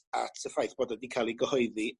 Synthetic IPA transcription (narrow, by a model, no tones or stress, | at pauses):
a̰tʰəfajθb̥oːdədikʰalˠiɡəhɔɨði